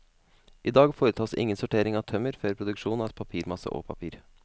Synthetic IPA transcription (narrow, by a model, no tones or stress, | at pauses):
ʔɪd̪ɑːɡfoːɾət̪ʰɑːsɪ̰ŋːənsʊʈeːɾɪŋɑʋt̪ʰœməɾføːɾpʰɾʊd̪ʉkʂuːnɑɛt̪̚pʰɑpʰiːɾmɑsə̰ʔo̰ːpʰɑpʰiːɾ